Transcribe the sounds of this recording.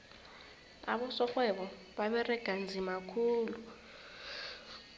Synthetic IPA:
a̰ɓɔsɔxwɛɓɔ | ɓaɓɛrɛɡ̥ʱand͡zʱimakʰuːlu

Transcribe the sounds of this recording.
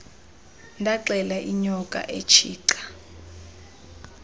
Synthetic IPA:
ndʱaǀɛlaʔiɲɔkʼa̰ʔet͡ʃʰiːǀḁ

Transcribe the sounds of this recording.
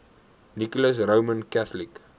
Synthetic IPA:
nikɔləs̬rəwmənkæθlik

